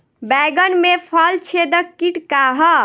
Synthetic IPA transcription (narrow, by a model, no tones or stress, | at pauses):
bɛɡənmepʰəlt͡ʃʰed̪əkːiʈkaɦə